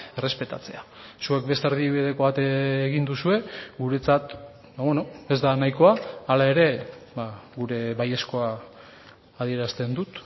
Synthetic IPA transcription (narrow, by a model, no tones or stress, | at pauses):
ere̞spe̞t̪a̰t͡se̞asue̞k̚be̞st̪eɾð̞iβið̞e̞ko̞βat̪eːɣind̪usue̞ɡuɾe̞t͡sat̪ | baβweno̞e̞zd̪anajko̞aːlae̞ɾe̞baɣuɾe̞βaje̞sko̞aː | ðie̞ɾast̪e̞nd̪ut̪